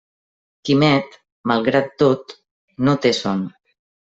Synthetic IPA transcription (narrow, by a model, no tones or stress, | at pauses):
kimɛt̪ | malˠɣɾat̪ːot̪ | not̪eson